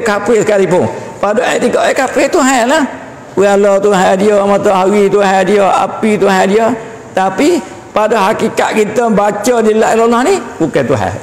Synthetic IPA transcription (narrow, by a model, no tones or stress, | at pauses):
kapesəkalipʊŋ | padɔʔat̪iɡɔʔɛkapet̪uɦaɛlah | alɔt̪uɦadiɔmat̪ɔɦaɣit̪uhadiɔʔa̰pit̪uɦadiɔ | t̪api | padɔɦakika̰ʔ̪̚kit̪əbat͡ʃɔdilaʔlɔlɔhnibukɛt̪uɦa̰j